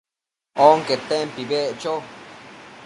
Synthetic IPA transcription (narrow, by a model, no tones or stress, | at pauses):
oŋket̪empibeʔt͡ʃo